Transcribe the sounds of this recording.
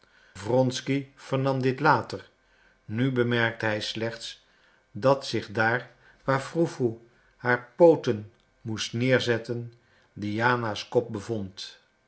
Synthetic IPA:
vrɔnskiv̥əɹnɑmdɪtlaːtəɹ | nybəmɛɹk̚təɦɛjslɛχts | dɑtsɪχdaːɹ | ʋaːfrufu | haːɹpowtən | mustnɪːɹzɛtən | dijaːnaskɔp̚bəvɔnt

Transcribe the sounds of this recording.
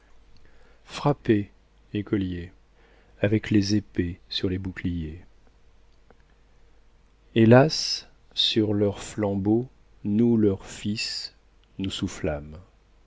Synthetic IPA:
fχape | ekʰɔlje | avɛklezepesyʁlebuklije | elasː | yʁlœʁflɑ̃bo | nulœʁfis | nusuflam

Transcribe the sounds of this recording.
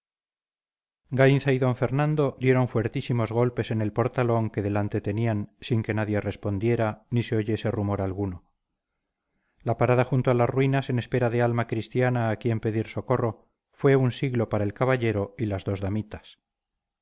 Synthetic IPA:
ɡajnθaiðo̞ɱfe̞ɾnãnd̪od̪je̞ɾo̞ɱfwe̞ɾt̪isimo̞zɣ̞o̞lpe̞se̞ne̞lpo̞ɾt̪alo̞ŋke̞ðe̞lant̪e̞t̪e̞niansiŋke̞naðje̞re̞spo̞nd̪je̞ɾaːise̞oʝe̞se̞rumo̞ɾalɣ̞uno̞ | lapaɾaðaxunt̪oalasrwinasene̞spe̞ɾaðe̞almakɾist̪janaːkje̞mpe̞ðiɾso̞ko̞ro̞ | fwe̞unsiɣlo̞paɾae̞lkaβaʎe̞ɾo̞ilazðo̞zðamit̪ḁs

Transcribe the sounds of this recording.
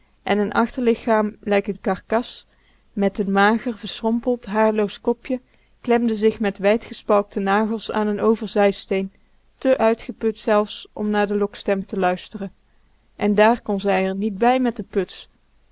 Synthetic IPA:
ʔɛnənʔɑχtəɹlɪxaːmlɛjkənkɑɹkɑs | mɛtənmaːɣərvəɹsrɔmpəlˠtɦaːɹlowskɔpjə | klɛmdəzɪxmɛtʋɛjtχəspɑlˠk̚tənaːɣəlˠsa̰ːnənowvəɹzɛjstejn | təʔœɥtχəpɵtsɛlˠfsʔɔ̰mnaːɹdəlɔkstɛmtəlœɥstərən | ʔɛndaːɹkɔnzɛjəɹnid̚bɛjmɛt̚dəpɵts

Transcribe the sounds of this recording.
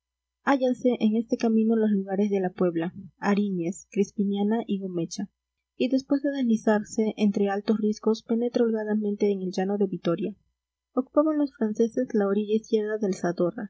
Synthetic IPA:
aʝanse̞ʔeŋe̞st̪e̞kamĩno̞lo̞sluɣaɾe̞zðe̞lapwe̞βlaaɾiɲeskɾispiɲjanaʔiɣo̞me̞t͡ʃa | iðe̞spwe̞zðe̞ðe̞lisaɾse̞ʔent̪ɾealt̪o̞srisko̞spe̞ne̞t̪ɾolɣaðamẽ̞nt̪e̞ːŋelʝano̞ðe̞βit̪o̞ɾja | o̞ku̥paβanlo̞sfɾanse̞se̞zlaoɾiʝaiskje̞ɾðaðe̞lsaðo̞ra̰

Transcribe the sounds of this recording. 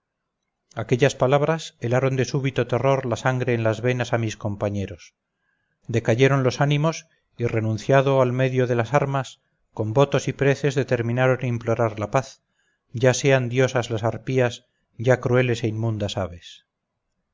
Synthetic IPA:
ake̞ʎaspalaβ̞ɾaselaɾo̞nd̪e̞suβit̪o̞t̪e̞ro̞ɾlasaŋɡɾe̞ːnlazβe̞nasamisko̞mpaɲe̞ɾo̞s | d̪e̞kaʝe̞ɾo̞nlo̞sanimo̞s | ire̞nũnθjaðo̞alme̞ðjo̞ðe̞lasaɾmas | ko̞mbo̞t̪o̞sipɾe̞θe̞zðe̞t̪e̞ɾmĩnaɾo̞nimplo̞ɾaɾlapaθ | ɟ͡ʝase̞and̪jo̞sazlasaɾpiaz | ɟ͡ʝakɾue̞le̞se̞inmũnd̪asaβe̞s

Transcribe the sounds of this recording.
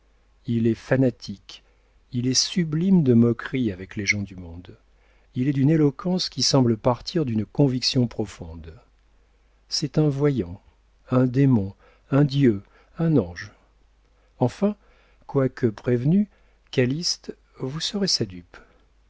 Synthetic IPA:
ilɛfanat̪ʰik | ilɛsyblimd̪əmɔkχiavɛkleʒɑ̃d̪ymɔ̃d̪ | ilɛd̪ynelɔkʰɑ̃skʲisɑ̃bləpaʁt̪ʰiʁd̪ynkɔ̃viksjɔ̃pχɔfɔ̃d̪ | sɛt̪ɛ̃vwajɑ̃ | ɛ̃d̪emɔ̃ | ɛ̃d̪jø | ɛ̃nɑ̃ʒ | ɑ̃fɛ̃ | kwakʰəpχevny | kalist̪ | vusəʁesad̪yp

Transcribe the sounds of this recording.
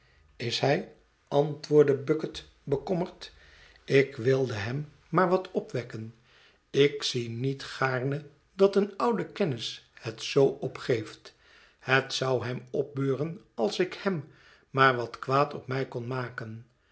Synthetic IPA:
ɪsɦɛj | ɑntʋʊːɹdəbɵkət | bəkɔməɹt | ɪkʋɪlˠdəɦɛmː | aːɹʋɑtʰɔpʋɛkən | ɪksinitχaːɹnə | dɑtənʌwdəkɛnɪshətsowɔpχejft | hətsʌwɦɛmɔp̚bøːrən | ɑlˠsɪkhɛmː | aːɹʋɑtkʋaːtɔp̚mɛjkɔnmaːkən

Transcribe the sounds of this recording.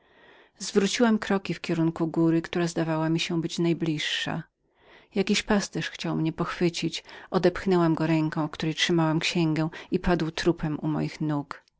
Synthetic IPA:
zvɾut͡ɕiwamkɾɔkʲifkʲɛɾuŋkuɡuɾɘkt̪uɾazd̪avawamʲiɕɛbɘt͡ɕnajblʲiʂːa̰ | jakʲiɕpast̪ɛʂxt͡ɕawmɲɛpɔxfɘt͡ɕit͡ɕɔd̪ɛpxnɛwamɡɔɾɛŋkɔ̃w̃fkt̪uɾɛjtʂɘmawamkɕɛŋɡɛ̃ipad̪wt̪ɾupʰɛmumɔ̰jixnuk

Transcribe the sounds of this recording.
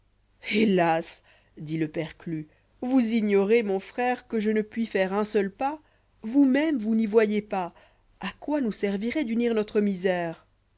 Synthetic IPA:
elas | d̪iləpɛʁkly | vuziɲɔʁemɔ̃fχɛʁkəʒənəpɥifɛʁɛ̃sœlpa | vumɛmvunivwajepa | akwanusɛʁviʁɛd̪yniʁnɔt̪χəmizɛːʁ

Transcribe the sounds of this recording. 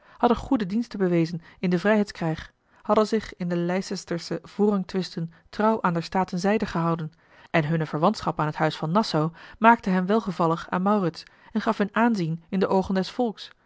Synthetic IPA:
hɑdəχudədinstəbəʋejzənɪndəvrɛjɦɛjtskrɛjχ | hɑdənzɪχɪndəlɛjsɛstəɹsəv̥ʊːrɦɑŋtʋɪstəntrɑwʔaːndəɹstaːtənzɛjdəχəɦɑwdən | ʔɛnɦɵnəvəɹʋɑntsχɑpaːnɦətɦœɥsfɑnːɑsowmaːk̚təɦɛmʋɛlˠχəvɑlˠəχa̰ːnmɑwrɪts | ɛnχɑfɦɵnaːnzinɪndəʔowχəndɛsfɔlˠks

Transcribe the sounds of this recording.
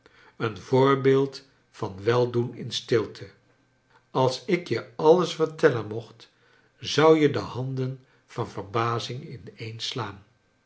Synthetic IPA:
ənvʊːɹbeːlˠt | fɑnʋɛlˠdunɪnstɪlˠtʰə | ɑlˠsɪkjəɑləsfəɹtɛlənmɔχt | zʌwjədəhɑndən | v̥ɑnvəɹbaːzɪŋɪnejnslaːn

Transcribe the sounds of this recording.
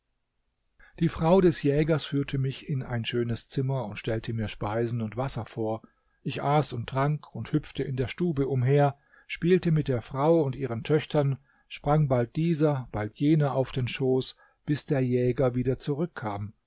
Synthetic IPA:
d̥iːfʁ̥aʊdɛsjɛːɡɐsfyːɐtʰəmɪçɪnʔa̰ɪnʃøːnəst͡sɪmɐʊntʃtɛltʰəmiːɐʃpaɪzn̩ʊntv̥asɐfoːɐ | ʔɪçʔaːsʊnt̚dʁ̥aŋkʰʊnthʏp͡ftəɪndeːɐʃtuːbəʔʊmɦeːɐ | ʃpiːltəmɪt̚d̥eːɐfʁ̥aʊʊntʔiːʁəntʰœçtʰɐn | ʃpʁ̥aŋbalt̚d̥iːzɐb̥altʰjeːnɐʔaʊfd̥eːnʃoːs | b̥ɪsd̥eːɐjɛːɡɐviːdɐt͡suʁʏkʰːaːm

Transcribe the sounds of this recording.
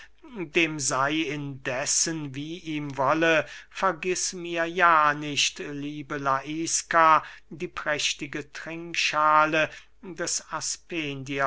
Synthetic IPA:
deːmzaɪɪndɛsənviːʔiːmvɔləfɛɐɡɪsmiːɐjaːnɪçtliːbəlaʔiːskadiːpʁ̥ɛʃtɪɡətʁ̥ɪŋkʃaːlə | dɛsaspeːndi

